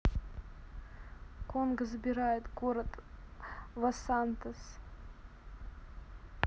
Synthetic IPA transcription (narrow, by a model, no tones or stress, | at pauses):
konɡəzbʲɪɾajɪt̪ɡoɾat̪ | vɐsant̪əs